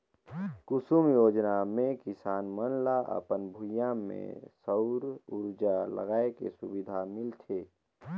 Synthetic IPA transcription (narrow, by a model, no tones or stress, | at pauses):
kʊsumjoːd͡ʒnamẽkɪsaːnmənlaʔə̰pənbʱʊjãmḛ̃səʊɾuɾd͡ʒalə̰ɡaːekḛsʊbid̪ʱamɪlt̪ʰe